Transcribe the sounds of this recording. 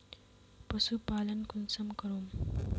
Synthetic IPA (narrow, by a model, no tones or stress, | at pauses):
pɐsupaːlɐnkunsɐmkɐɾoːm